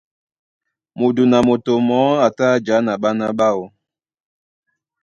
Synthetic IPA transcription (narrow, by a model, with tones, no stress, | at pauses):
mo˨du˨na˨mo˨to˨mɔ˨˦a˨ta˦˨d͡ʒa˨˦na˨ɓa˦na˦ɓa˦wo˨˦